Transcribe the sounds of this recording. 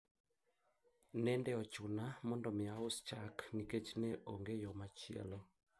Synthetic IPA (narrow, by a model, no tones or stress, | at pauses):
nɛndɛɔt͡ʃunamɔndɔmeaust͡ʃakniket͡ʃinɛʔɔŋɡɛjɔmat͡ʃiɛ̰lɔ